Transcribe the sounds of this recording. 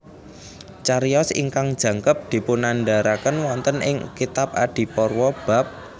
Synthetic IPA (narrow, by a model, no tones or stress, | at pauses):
t͡ʃaɾjɔsḭŋkaŋd̥ʒ̥ä̤ŋkəp̚d̪̥i̤pʊnanɖaɾakənwɔnt̪ənɪ̰ŋkit̪ap̚a̰d̪̥i̤pɔrwɔb̥a̤p̚